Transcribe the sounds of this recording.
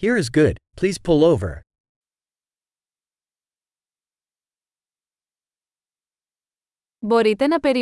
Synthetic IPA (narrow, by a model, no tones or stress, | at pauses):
hiɹɨzɡʊd̥̚pʰl̥iz̥pʰʊlˠoʊvə̰˞ | bɔɾit̪ɐnɐpeɾi